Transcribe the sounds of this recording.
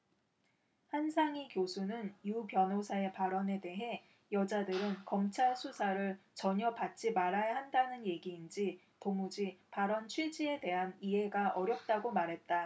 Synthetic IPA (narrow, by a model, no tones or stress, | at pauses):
hansʰaŋikjosʰunɯnjupjʌnɦosʰae̞paɾʌne̞de̞ɦe̞ | jʌd͡ʑadɯɾɯnkʌmt͡ɕʰaɭsʰusʰaɾɯɭt͡ɕʌɲʌbat̚t͡ɕ͈imaɾajaɦandanɯnje̞ɡiːnd͡ʑi | tomud͡ʑipaɾʌnt͡ɕʰwid͡ʑie̞de̞ɦaniɦe̞ɡaʔʌɾjʌp̚t͈aɡomaɾɦe̞t̚t͈a